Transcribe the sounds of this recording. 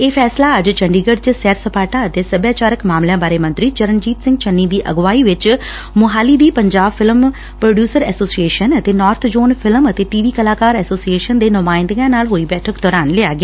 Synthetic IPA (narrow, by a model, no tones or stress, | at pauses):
eːpʰɛːslaːəd͡ʒt͡ʃəɳɖiːɡəɖt͡ʃsɛːɾsəpaːʈaːət̪eːsəbjaːt͡ʃaːɾəkmaːmljãːbaːɾeːmə̃nt̪ɾiːt͡ʃəɾənd͡ʒiːt̪sɪ̃ŋɡt͡ʃənːiːd̪iːʔə̰ɡʋaːiːʋɪt͡ʃ | mʊɦaːliːd̪iːpəɲd͡ʒaːbfʰɪlm | pɾoːɖjuːsəɾɛːsoːsieːʃənət̪eːnɔːɾt̪ʰd͡ʒoːnfʰɪlmət̪eːʈiːʋiːkəlaːkaːɾɛːsoːsieːʃənd̪eːnʊmaːɪ̃nd̪ɡãːnaːlɦoːiːbɛːʈʰəkd̪ɔːɾaːnlɪaːɡɪaː